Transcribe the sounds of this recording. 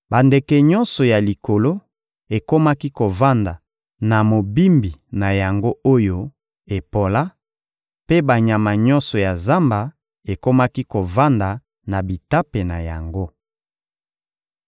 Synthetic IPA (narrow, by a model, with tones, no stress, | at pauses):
ba˨nde˨kɛ˨ɲɔ˦nsɔ˨ja˨li˨ko˨lo˦ | e˨ko˦ma˦ki˦ko˨va˦nda˨ | na˨mo˨bi˦mbi˨na˨ja˨ŋɡo˦o˦jo˦ | e˨po˨la˦ | pe˦ba˨ɲa˨ma˨ɲɔ˦nsɔ˨ja˨za˦mba˨ | e˨ko˦ma˦ki˦ko˨va˦nda˨ | na˨bi˨ta˦pe˨na˨ja˨ŋɡo˦